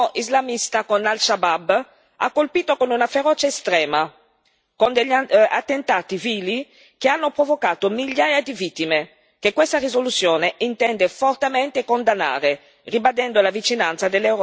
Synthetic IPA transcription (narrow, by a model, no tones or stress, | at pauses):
ʔizlamist̪akonalʃabab | a̰kːolpiːt̪okonunafeɾɔːt͡ʃeest̪ɾɛːma | kond̪eʎːa̰t̪ːent̪aːt̪iviːli | keanːopɾovokaːt̪omiʎːaːjad̪ivit̪ːime | kekːwest̪arizolut̪sːjoːneint̪ɛnd̪efort̪emɛnt̪ekond̪anːa̰ːɾe | ribad̪ɛnd̪olavit͡ʃinant̪sad̪elːewɾɔ